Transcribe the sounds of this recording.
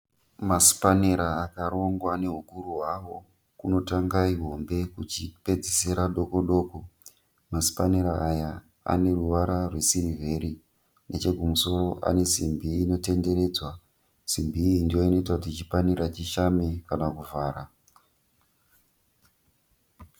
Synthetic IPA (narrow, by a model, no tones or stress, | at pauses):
masi̥paneɾaːkaɾo̞ŋɡwane̞ɦukuɾuɦwawo̞ | kuno̞taŋɡaiɦo̞mbe̞kut͡ʃipe̞d͡ziseɾaɗo̞ko̞ɗo̞ːko̞ | masi̥paneɾaːja | a̰ne̞ruʋaɾarwe̞siɾive̞ɾi | nʔet͡ʃe̞ɡʱumuso̞ɾo̞ʔa̰ne̞simbiːno̞te̞nde̞ɾe̞ːd͡zwa | simbiːndijo̞ino̞it̬akutiit͡ʃipaniɾat͡ʃiʃamekanakuvaːɾa